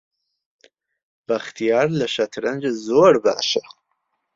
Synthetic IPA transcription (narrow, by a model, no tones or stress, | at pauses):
b̥aχtʰijarlaʃatʰrɨnd͡ʒʷazorba̰ːʃaχ